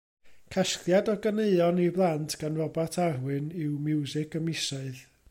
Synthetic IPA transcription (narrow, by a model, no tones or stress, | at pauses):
kʰaʃklˠjadɔɡaneɨɔniblˠantʰɡ̥anrɔbatʰarwɨnɪwmɪwzɪkʰəmɪsaɨð